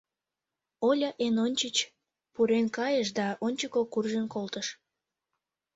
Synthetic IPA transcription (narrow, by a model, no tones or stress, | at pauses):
olʲɑʔenonʲt͡ɕət͡ɕ | puɾenkɑjəʃd̪ɑʔonʲt͡ɕəkokurʒənkolt̪əʃ